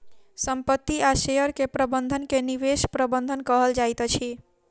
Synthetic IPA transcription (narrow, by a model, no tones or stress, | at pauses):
səmpət̪ːiaʃejəɾkepɾəbənd̪ʱənkeniʋeʃpɾəbənd̪ʱənkəɦəld͡ʒajt̪ət͡ʃʰi